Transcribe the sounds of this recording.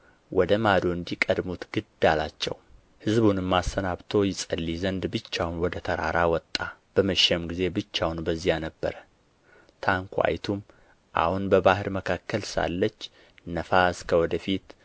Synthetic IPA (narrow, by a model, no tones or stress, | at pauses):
wʔɔd̪əmad̪o̞ɨnd̪ikʼəd̪mut̪ɡ̥ɨd̪alat͡ʃːɛ̰w | hɨzbunɨmːasənaβt̪ʰo̞jɪsʼəlːizənd̪bɨt͡ʃːawnwɔd̪ət̪ʰəɾa̰ɾawɔt̪ʼːab̥əməʃɛmɡize̞bɨt͡ʃːawnbəzːijanəbːə̰ɾə | t̪ʰaŋkʰʷa̰jt̪ʰum | ʔa̰hunbəbahɨɾməkʰakːəlsa̰lːət͡ʃː | nəfaskʰəwɔd̪əfit̪